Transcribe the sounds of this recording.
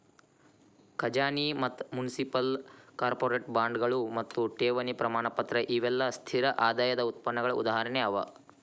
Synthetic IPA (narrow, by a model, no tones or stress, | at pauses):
kʰɐd͡ʒaːnimɐt̪ːmunisipɐlkaːɾpoːɾeʈbaːɳɖɡɐɭumɐt̪ːuʈeːʋɐnipɾɐmaːɳɐpɐt̪ɾɐʔiʋɛlːɐst̪ʰiɾɐʔaːd̪aːjɐd̪ɐut̪̚pɐnːɐɡɐɭɐʔṵd̪aːɦɐɾɐɳeɐʋɐ̰